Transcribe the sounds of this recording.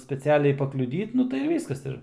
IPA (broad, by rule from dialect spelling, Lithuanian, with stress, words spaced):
sʲpʲɛt͡sʲɪˈɑːlʲɛɪ pɐklʲʊˈdʲiːt ˈnʊ tɐɪ ɪr ˈʋʲiːskɐs ˈɪr